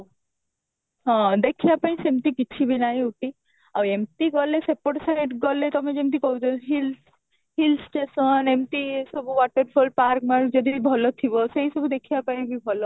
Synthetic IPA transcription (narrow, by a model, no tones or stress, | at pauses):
ɦɔ̃d̪ekʰibapaĩsemʈ̪ikit͡ʃʰibinajuʈi | awemt̪iɡɔlesepoʈsaneʈɡɔlet̪ɔmed͡ʒemt̪̬ikɔɦud͡ʒɔɦil | hilsʈesɔnemʈisɔbuwaʈɔɾpʰolpaɾk̚maɾud͡ʒɔd̪iibʱɔlɔt̪ʰibɔseɦjsɔbud̪ekʰibapaĩbibʱɔlɔ